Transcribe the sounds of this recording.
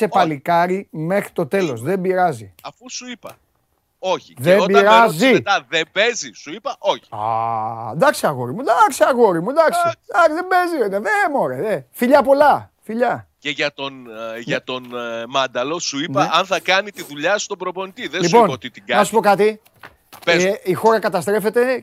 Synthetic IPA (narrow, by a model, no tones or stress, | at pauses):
se̞pɐlikɐɾime̞xɾit̪o̞t̪e̞lo̞sðe̞mbiɾɐzḭɐfusuipɐ | o̞çiðeobiɐɾɐziet̪ɐðembe̞zisuipɐʔo̞çi̥ɐ̰nd̪ɐksiɐɣo̞ɾimud̪ɐksiɐɣo̞ɾimund̪ɐksid̪ɐiðembe̞zioneðemoɾeðefiʎɐpo̞lɐfiʎɐceʝɐt̪o̞nʝɐt̪o̞nmɐnd̪ɐlo̞suinpɐʔɐnθɐkɐnit̪iðuʎɐsu̥t̪obɾopo̞nit̪iðeliupo̞not̪it̪iɡɐnɐsu̥po̞kɐt̪i | peeixo̞ɾɐkɐt̪ɐst̪ɾe̞fe̞t̪e̞